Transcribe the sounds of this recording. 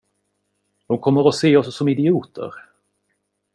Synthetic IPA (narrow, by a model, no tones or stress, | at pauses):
d̪̥ɔmkʰɔmːəɾɔseːɔssɔmɪd̪ɪuːt̪ʰə̰ɾ